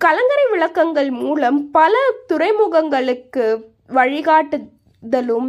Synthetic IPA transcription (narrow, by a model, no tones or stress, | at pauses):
kɐlɐŋɡɐɾɐɪʋɪɭɐkːɐŋɡɐɭmuːlɐmpɐlɐt̪ʊɾɐɪmuːɣɐŋɡɐɭɯkːɯ | ʋɐɻɪɣaːʈːɯ | ðɐlɯm